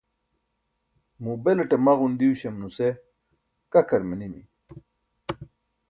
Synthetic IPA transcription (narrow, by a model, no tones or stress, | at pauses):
mubeleʈemaɣund̪iuɕemnuse | kɐkɐɾmenimḭ